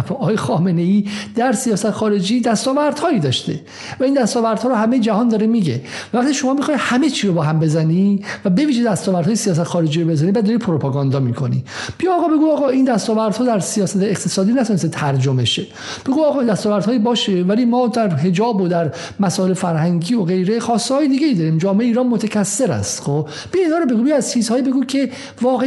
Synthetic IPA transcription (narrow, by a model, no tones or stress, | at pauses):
ɒːjexɒːme̞ne̞iːd̪̥æɾsijɒːsæt̪ʰexɒːɾe̞d͡ʒiːd̪æst̪ɒːvæɾd̪̥hɒːjid̪ɒːʃt̪e | væiːnd̪æst̪ɒːvæɾd̪hɒːɾoɦæme̞jed͡ʒæhɒːnd̪ɒːɾe̞miɟe̞vævæχt̪ʰiʃo̞mɒːmixɒi̥hæmet͡ʃʰiːɾobɒːɦæmbe̞zænivæbe̞viːʒed̪æst̪ɒːvæɾd̪hɒːjesijɒːs̬æt̪ʰexɒːɾe̞d͡ʒiːɾobe̞zænibæd̪d̪ɒɾipʰoɾopʰɑɡɒnd̪ɒmikʰo̞nḭb̥ijɒːɣɒːbe̞ɡuɒːɣɒːind̪æst̪ɒːvæɾd̪̥hɔːd̪æɾsijɒːsæt̪ʰeːqt̪ʰe̞sɒːd̪iːnæt̪ʰɔːnes̬t̪et̪ʰæɾd͡ʒome̞ʃe | b̥e̞ɡuɒːɣɒːd̪æst̪ɒːvæɾd̪hːjibɒːʃevælimɒːd̪æɾɦe̞d͡ʒɒːbod̪æɾ | mæsɒːelefæɾhæŋɟiːoɣejɾe̞xɒːst̪ehːjed̪iːɡʲejid̪ɒɾiːmd͡ʒɒːmeʔeiːɾɒːnmot̪ʰæcʰæsːe̞ɾæ̰st̪xob | b̥ijiːnhɒːɾobe̞ɡubijæz̥t͡ʃʰiːzɒːjibe̞ɡuːcʰe̞ | vɒːɣe